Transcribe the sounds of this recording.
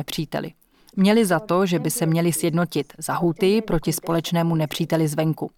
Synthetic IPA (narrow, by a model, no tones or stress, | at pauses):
pr̝̥iːt̪ɛ̰lɪ̰ | mɲɛlɪzat̪o̞ʒɛbɪsɛmɲɛlɪsjɛdno̞cɪt̪z̥aɦut̪ɪjɪpɾo̞cɪspo̞lɛt͡ʃnɛːmunɛpr̝̥iːt̪ɛlɪzvɛŋku